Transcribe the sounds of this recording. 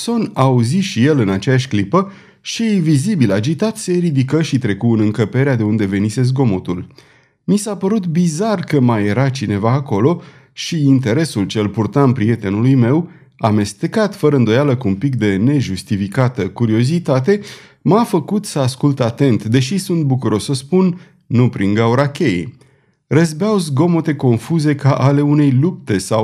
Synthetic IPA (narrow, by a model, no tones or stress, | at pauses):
so̞nauziʃije̞lɨnat͡ʃejaʃʲklipə | ʃijvizibilad͡ʒit̪at̪seɾid̪ikəʃit̪ɾe̞kuɨnɨŋkəpe̞ɾead̪e̞und̪e̞ve̞nise̞zɡo̞mot̪ul | misapəɾut̪bizarkəmaje̞ɾat͡ʃine̞vaːko̞lo̞ | ʃiint̪e̞ɾe̞sult͡ʃe̞lpurt̪aɨmpɾie̞t̪e̞nulujme̞w | ame̞st̪e̞kat̪fəɾəɨnd̪o̞jaləkuːmpik̚d̪e̞ne̞ʒust̪ifikat̪əkuɾio̞zit̪at̪e̞ | mafəkut̪səaskult̪at̪e̞nt̪d̪e̞ʃisunt̪̚bukuɾo̞ssəspunː | upɾiŋɡauɾakʲe̞jḛ | rəzbeawzɡo̞mo̞t̪e̞ko̞nfuze̞kaʔale̞une̞jlup̚t̪e̞saw